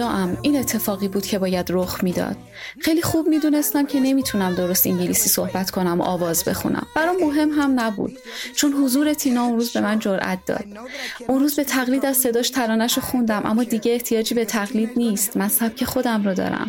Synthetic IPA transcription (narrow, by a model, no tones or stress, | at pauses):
ɒːʔæmiːne̞t̪ʰːe̞fɒːɣiːbuːd̪cʰe̞bɒːjæd̪ɾoxmiːd̪ɒ̰ːd̪̥̚ | xe̞jliːxuːb̚miːd̪uːne̞st̪æmcʰe̞ne̞miːt̪ʰunæmd̪o̞ɾost̪iɲɟilisiːsohbæt̪kʰo̞næmo̰ʔɒːvɒːzbe̞̰xṵnæ̰mbæɾɔmo̞ɦe̞mɦæmnæbṵːd̪̥ | t͡ʃʰonɦozuːɾe̞t̪ʰinɒːonɾuːzbe̞mænd͡ʒoɾʔæ̰t̪̚d̪̥ɒ̰ːd̪̥ | unɾuːzbet̪ʰæɣliːd̪æzse̞d̪ɒːʃt̪ʰælɒːnæʃoxund̪æmʔæ̰mːɒːd̪iɟeːht̪ʰijɒːd͡ʒiːbe̞t̪ʰæɣliːd̪niːst̪mænsæb̥̚cʰe̞xo̞d̪æmɾɔd̪ɒ̰ːɾæ̰m